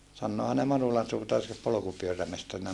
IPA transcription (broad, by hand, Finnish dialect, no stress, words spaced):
sɑnːoːhɑn ne mɑnulɑn suːtɑr se polokupyøræmestɑrinɑ